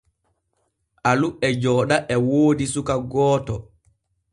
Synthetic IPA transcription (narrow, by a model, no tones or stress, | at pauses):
ʔaluɛd͡ʒɔːɗaʔɛwoːdisukaɡɔːtɔ